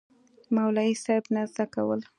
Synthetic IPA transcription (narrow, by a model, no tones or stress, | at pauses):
mawlɑisaɾbnazd̪akawə̰l